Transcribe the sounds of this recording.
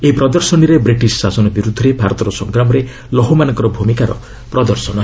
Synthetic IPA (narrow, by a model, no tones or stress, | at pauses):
eɦipɾɔd̪ɔɾsɔniɾebɾiʈissasɔnɔbiɾud̪ʱɔɾebʱaɾɔt̪ɔɾɔsɔŋɡɾamɔɾe | lɔɦomanɔŋkɔɾɔbʱumikaɾɔ̰ | pɾɔd̪ɔɾsɔnɔ